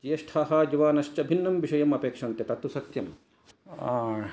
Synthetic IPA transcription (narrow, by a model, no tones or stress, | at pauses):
d͡ʒijɐʃʈʰaːɦaːd͡ʒɐʋaːnɐʃt͡ʃɐbʱinːɐmʋiʂɐjɐmɐpeːkʂɐnt̪jɐt̪ɐt̪usɐt̪jɐmː